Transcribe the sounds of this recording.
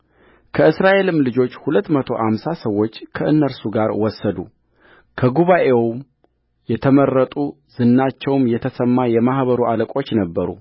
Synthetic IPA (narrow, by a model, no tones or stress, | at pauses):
kʰəɨsɾaʔe̞lɨmlɨd͡ʒo̞t͡ʃːhulət̪ːmət̪ʰo̞ʔamsasəwːo̞t͡ʃːkʰəʔɨnːəɾsuɡaɾwɔsːəd̪u | kʰəɡuβaʔe̞wm | jɛt̪ʰəmərːət̪ʼu | z̥ɨnːat͡ʃːɛwmjɛt̪ʰəsəmːajɛmahβəɾuʔaləkʼo̞t͡ʃːnəbːəɾṵ